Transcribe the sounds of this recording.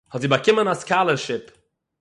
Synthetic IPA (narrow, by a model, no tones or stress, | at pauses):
hɔtziːbakɪmənaskalˠəɾʃɪp